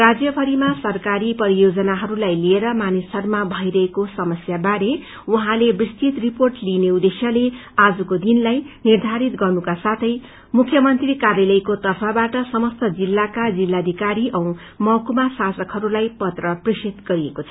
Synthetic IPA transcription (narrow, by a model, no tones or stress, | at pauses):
rad͡zjʌpʰʌɾimasʌrkaɾipʌɾijod͡zʌnaɦʌɾulajlieɾʌmanisʌrmabʱʌijɾʌɦekosʌmʌsjabaɾe | uɦãlebist̪ʰit̪riporʈlineud̪esjʌlead͡zukod̪inlajnird̪ʱaɾit̪ɡʌrnukasat̪ʰʌj | mukʰjʌmʌnt̪rikarjalʌjkot̪ʌrpʰabaʈʌsʌmʌst̪ʌd͡zilːakad͡zilːad̪ʱikaɾiʔʌ̃w̃ | mʌkumasasʌkɦʌɾulajpʌt̪rʌprisit̪ɡʌɾiekot͡sʰʌ̥